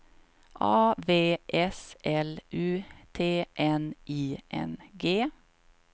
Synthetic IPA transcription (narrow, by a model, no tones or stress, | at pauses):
ʔɑːʋeːʔɛsʔɛlʔʉːt̪ʰeːʔɛnʔiːʔɛ̰nɡeː